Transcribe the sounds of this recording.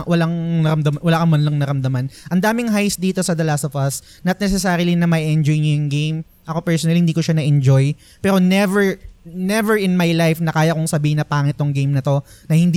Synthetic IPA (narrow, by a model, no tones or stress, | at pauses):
wɐlaŋɐɾɐmd̪ɐmwɐlaːkɐmbɐnlɐŋnɐɾɐmd̪ɐmanʔɐnd̪aːmɪŋɦajsd̪iːt̪o̞sɐd̪ɐlasovɐs | nɐt̪̚nɛsɛsaːɾɪlinɐmɐjʔɛnd͡ʒojɲʊjɐŋɡejm | ʔɐko̞pɛɹsonɐlihɪnd̪iːkoʃanɐʔɛnd͡ʒoj | pɛːɾo̞nɛvɛɹnɛvɛɹʔɪnmajlajfnɐkaːjɐkoŋsɐbiːhɪnɐpaːŋɪt̪ːoŋɡejmnɐt̪o̞nɐhɪnd̪i